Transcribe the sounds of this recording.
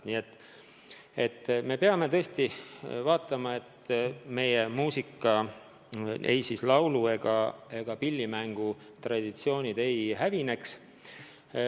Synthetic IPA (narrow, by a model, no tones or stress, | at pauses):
nie̞t̪ːˑ | e̞t̪ːme̞peɑme̞t̪ɤ̞est̪ivɑːt̪ːˑɑmɑe̞t̪me̞je̞muːsikːˑɑ | ḛjsislɑwlue̞ɡ̥ɑe̞ɡ̥ɑpilʲːimæŋɡ̥u | t̪rɑd̪̥it̪sio̞ːnʲid̪̥e̞jhævine̞ks